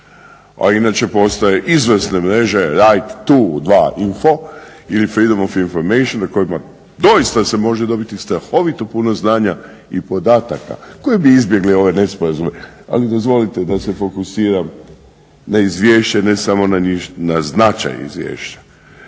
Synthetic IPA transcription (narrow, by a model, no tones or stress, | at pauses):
a̰inaːt͡ʃe̞po̞st̪ajeʔizʋsnemɾe̞ʒeɾajt̪ːud̪ʋaːʔinfo̞ilifɾid̪omofinfo̞ɾmejʃonako̞ima | d̪o̞ist̪ase̞mo̞ʒed̪o̞bit̪ist̪ɾaxo̞ʋit̪o̞puno̞znaːɲa | ipo̞d̪aːt̪aka̰ko̞jebiizbje̞ɡlio̞ʋe̞ne̞spoɾazumea̰lid̪o̞zʋo̞lit̪e̞d̪ase̞fo̞kusiːɾam | naizʋje̞ːʃt͡ɕane̞samo̞naɲinaznat͡ʃa̰jḭzʋjḛːʃt͡ɕḁ